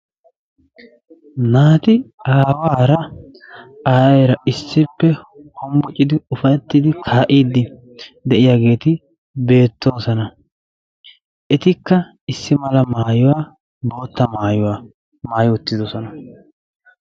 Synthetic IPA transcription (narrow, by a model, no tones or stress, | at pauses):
naːt̪ɪaːwaːɾɐ | aːɾɐɪsːɪpːɛhɔmbɔt͡ʃʼɪd̪ɪʊfɐjɛt̪ːɪd̪ɪkʰaːʔiːd̪ɪ | d̪ɛʔɪjaːɡe̞ːt̪ɪ | be̞ːt̪ːo̞ːsɐnɐ | ʔɛt̪ɪkːɐ | ɪsːɪmɐlɐmaːjʊwaː | bo̞ːt̪ːɐmaːjʊwa | maːjʊʊt̪ːɪd̪ɔsɔnɐ